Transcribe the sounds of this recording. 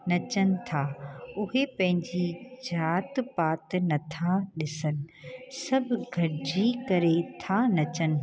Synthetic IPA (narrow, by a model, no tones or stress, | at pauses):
nɐt͡ɕənɪ̆t̪ʰaːʊɦepɐ̃ɦɪ̃ɲd͡ʑid͡ʑaːt̪paːt̪nɐt̪ʰaɗɪsənɪ̆sɐbʱʊɡʱɐɾɪd͡ʑikɐɾet̪ʰanɐt͡ɕənɪ̆